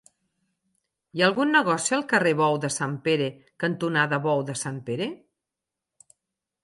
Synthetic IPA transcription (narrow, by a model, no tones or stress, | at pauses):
jaəlˠɣunːəɣɔsiəlˠkəreβɔwðəsampeɾe | kənt̪unaðəβɔwðəsampeɾe